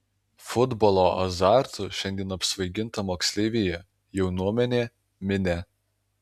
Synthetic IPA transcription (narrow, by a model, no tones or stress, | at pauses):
fʊd̪bɔlˠoːʔɐ̰zɑˑɾt̪ʊʃʲɛnʲd̪ʲiɛnɐpʲsʲʋɐɪɡʲɪnˑt̪ɐmoːksʲlʲeːʋʲeːjɛ | jɛʊnuɔmʲɛnʲeː | mʲɪnʲɛ